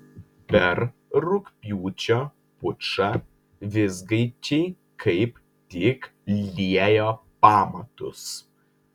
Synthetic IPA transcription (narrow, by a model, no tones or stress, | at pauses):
pʲɛɾɾʊkpʲjuːt͡ʃʲoː | pʊt͡ʃɐ | ʋʲɪzɡɐɪt͡ʃʲɛɪ | kʰɐɪp | t̪ʲɪkllʲiɛjoːpɑːmɐt̪ʊs